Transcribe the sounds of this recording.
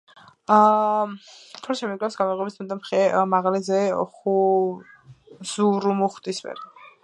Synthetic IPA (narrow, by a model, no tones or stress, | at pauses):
tʰɔɾʃɛmiɡlɛfsɡamɔʁʼwɛbismɛt̪ɔmχɛmaʁalɛzɛɔχu | z̥uɾumuχt̪ʼisvɛ̰ɾ